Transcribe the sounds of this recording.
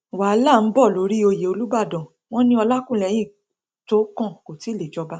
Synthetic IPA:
wa˨˦la˦˨n̩˨˦bɔ˦˨lo˨˦ɾi˦o˧je˨o˧lu˦ba˦˨dɔ̃˨ | w̃ɔ̃˦nĩ˧˦ɔ˧la˦kũ˦˨lɛ˨j̃ĩ˦˨ | to˨˦kɔ̃˦˨ko˨ti˨˦le˨d͡ʒɔ˧ba˦

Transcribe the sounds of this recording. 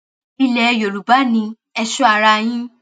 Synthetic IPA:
i˧lɛ˨˧jo˨ɾu˨ba˨˦nĩ˧ | ɛ˧ʃɔ˦a˨ɾa˧j̃ĩ˦

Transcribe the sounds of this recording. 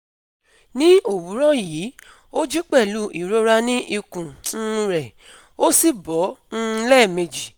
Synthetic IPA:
nĩ˦o˦˨wu˨˦ɾɔ˦jiː˨˦ | o˦d͡ʒi˦k͡pɛ˦˨lu˦i˨ɾo˦ɾa˧nĩ˦ʔi˧kũ˨n̩˦˧ɾɛ˨ | o˦si˦˨bɔ˨˦ñ̩˦˧lɛ˦˨me˧d͡ʒi˨

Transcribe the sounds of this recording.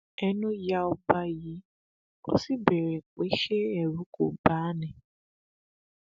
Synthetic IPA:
ɛ˦nu˦ja˦ʊ˦ba˦ji˨˦ | o̰˦si˦be˨ɾe˨k͡pe˦ʃe˦ɛ˨ɾu˦ko̰˨ba˨˦nɪ˨

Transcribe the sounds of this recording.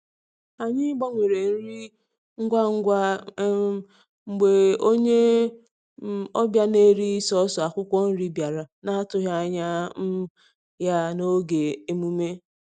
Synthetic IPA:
a˨ɲɪ˦ɡ͡ba˦ŋʷe˨ɾe˨n̩˦ɾi˦ | ŋ̩˦ɡʷa˦ŋ̩˦ɡʷa˦ | ŋ͡m̩˨ɡ͡be˨o˦ɲe˦ | ɔ˦bja˦ne˦ɾi˦i˦sɔ˦sɔ˨a˨kʷʊ˦kʷɔ˦n̩˦ɾi˦bja˨ɾa˨na˦a˦tʊ˨ɦja˦˨ɲa˦m̩˦ | ja˦no˦ɡe˨e˦mu˦me˦

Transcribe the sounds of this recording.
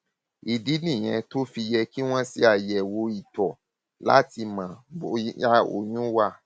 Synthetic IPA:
i˨di˨˦nĩ˦˨j̃ɛ̃˧to˦fi˧jɛ˧ki˦w̃ɔ̃˦si˦a˦˨jɛ˨wo˧i˨tɔ˨ | la̰˨˦ti˧mã˨a˦o̰˨j̃ũ˦wa˧˨

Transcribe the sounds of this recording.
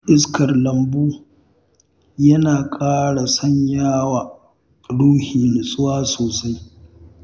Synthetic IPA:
ʔɪ˦skɐ˨rlɐ˨mbuː˦ | jɐ˦naː˨kʼaː˦ɽa˨sɐ˦ɲjaː˦waː˨ | ɽuː˦hiː˨nɪ˨sʼʊ˦waː˦soː˨sa˦j

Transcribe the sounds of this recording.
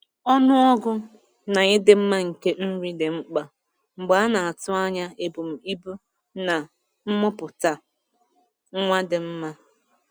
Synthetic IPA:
ɔ˦nʊ˦ɔ˦ɡʊ˦ | na˨ɲɪ˦dɪ˦m̩˦ma˦ŋ̩˨ke˦n̩˦ɾi˦de˨ŋ͡m̩˦k͡pa˨ | ŋ͡m̩˨ɡ͡ba˨˦a˦na˨a˨tʊ˦a˦ɲa˦e˨bu˨m̩˨i˦bu˦ | na˨ | m̩˦mʊ˦pʊ˨ta˨ | ŋ̩˦ŋʷa˦dɪ˨m̩˦ma˦

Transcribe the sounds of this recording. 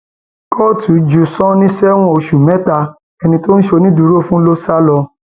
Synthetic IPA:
kʰɔ˦˨tʰu˨˦d͡ʒu˨sɔ̃˦nĩ˦sɛ˦w̃ɔ̃˦o˧ʃu˨mɛ˦ta˧ | ɛ˧nĩ˧to˦ñ̩˦ʃe˧nĩ˦du˨˦ɾo˦˨fũ˦lo˦sa˦lɔ˧

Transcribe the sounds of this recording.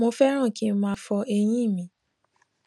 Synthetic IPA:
mõ˧˦fɛ˦ɾ̃ã˦˨ki˦mã˧fɔ˧e˧j̃ĩ˦˨mĩ˨˦

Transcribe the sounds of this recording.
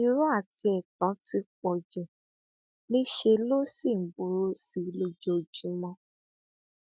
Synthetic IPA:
i˧ɾu˦a˦˨ti˧ɛ˨tɔ̃˨˦ti˧k͡pɔ˨d͡ʒu˨ | nĩ˦ʃe˧lo˦si˦˨m̩˨bu˨˦ɾu˦si˨˦lo˧d͡ʒo˧˨d͡ʒu˨˦mɔ̃˧˦

